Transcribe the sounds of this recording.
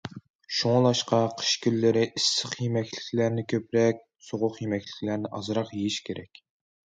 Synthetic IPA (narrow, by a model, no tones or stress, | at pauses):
ʃuŋlˠɑʃqɑqʰə̥ʃkʲylːɪɾɪʔisːəχjemɛkʲlɪ̥kʲʰlæɾnɪkʲʰøpɾɛk̚ʲ | soʁʊqjemɛkʲlɪ̥kʲlæɾnɪʔɑ̰zɨɾɑqjejiʃkʲʰeɾɛkʲ